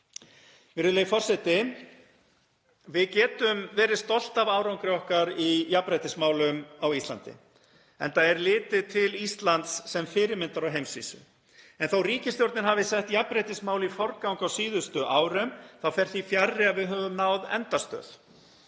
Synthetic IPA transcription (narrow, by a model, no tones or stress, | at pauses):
vɪɾʏlejfɔr̥sɛt̪ɪ | vɪðcɛːt̪ʏmvɛːɾɪst̪ɔl̥t̪avaːwɾawŋkɾɪɔhkaɾijapɾejt̪ɪsmaːwlʏmawist̪la̰nt̪ɪ̰ | ɛ̰nt̪aðɛɾlɪːt̪ɪt̪ʰɪlist̪lant̪sːɛmfɪːɾɪɾmɪnt̪aɾawɦejmsvḭːsʏ̰ | ɛnθawriːcɪst̪jowɾt̪nɪnɦavɪsɛht̪japɾejt̪ɪsmaːwlɪifɔɾkawŋkawsiːðʏst̪ʏʔaːwɾʏmθawfɛr̥θifjarːɪaðvɪðɦœːvʏmnaːwðɛ̰nt̪ast̪œ̰ːð̥